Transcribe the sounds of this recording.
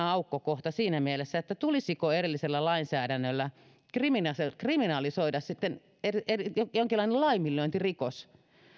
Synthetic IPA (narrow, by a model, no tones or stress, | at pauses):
ɑukːokoht̪ɑsiːnæmielesːæet̪ːæt̪ulisikoerelːiselːælɑinsæːɾænːølːæ | kriminɑskriminɑlisoidɑssit̪ːen | erieriojoŋkilːˑɑˑinelɑimilːøint̪irikos